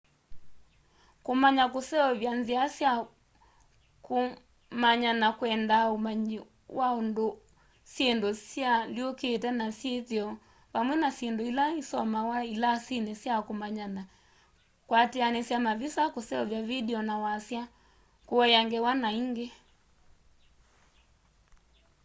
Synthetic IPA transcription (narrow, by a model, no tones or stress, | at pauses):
komaɲakosɛɔβjanziasja | ko | maɲanakwɛndaomaɲi | wʔaondo | sjendosjaljokeːtɛnasjeθiɔ | βamwɛnasendoilaisɔmawailasinesjakomaɲana | kwateanesjamavisakosɛɔvjavidɛɔnawasja | koɔjaŋɡɛwanaiŋɡe